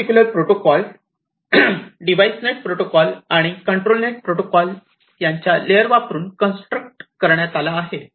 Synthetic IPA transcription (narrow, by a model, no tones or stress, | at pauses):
ikʲjuləɾpɾoʈokɔl | ɖiʋajsneʈ̚pɾoʈokɔlaɽ̃ikəɳʈɾolneʈ̚pɾoʈokɔl | jaɲt͡ɕjalejəɾʋapɾuːnkənsʈɾək̚ʈkəɾɳjat̪alaːɦe